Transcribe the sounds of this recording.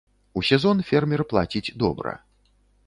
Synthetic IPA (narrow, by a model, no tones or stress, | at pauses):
usʲɛzɔnfʲɛrmʲɛrplˠa̰t͡sʲid͡zʲd̪ɔ̰bɾɐ̰